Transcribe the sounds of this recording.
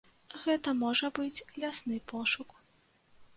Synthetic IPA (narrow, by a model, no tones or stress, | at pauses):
ɣɛt̪ɐmɔʐɐbɨt͡sʲlʲasnɨpɔʂuk